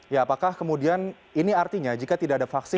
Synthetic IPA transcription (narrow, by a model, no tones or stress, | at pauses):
jaːpakahkəmudian | iniart̪iɲad͡ʒikat̪idaʔadafaksɪ